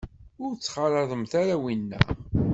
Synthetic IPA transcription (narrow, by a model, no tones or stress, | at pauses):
ʊɾt͡sːχəlˤəðˤəmθaɾæwinːæ̰